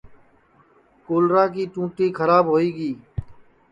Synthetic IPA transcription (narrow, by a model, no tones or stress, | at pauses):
koːlɾaːk̬iːʈũːʈiːkʰəɾaːbɦoːiːɡiː